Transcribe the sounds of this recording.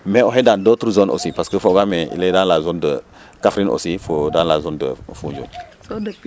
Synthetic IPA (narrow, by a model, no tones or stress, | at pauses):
mɛoɦɛdãndoːt̪ɾəzonʔo̰sipaskəfoɡamɛʔḭlɛdãnlazondə | kafɾinʔo̰sifodãnlazondə̰fũnd͡ʒo̰n